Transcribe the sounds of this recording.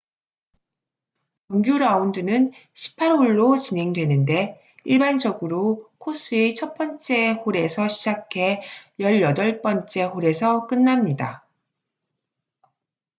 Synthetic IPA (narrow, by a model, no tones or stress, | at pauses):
ʌŋɡjuɾaundɯnɯnɕʰi̥pʰaɾoɭːot͡ɕine̞ŋdwe̞nɯnde̞ | iɭband͡ʑʌɡɯɾokʰos͈ɯet͡ɕʰʌt̚p͈ʌnt͡ɕ͈e̞ɸoɾe̞sʰʌɕʰid͡ʑakʰe̞jʌɭjʌdʌɭp͈ʌnt͡ɕ͈e̞ɸoɾe̞sʰʌk͈ɯnːamɲida̰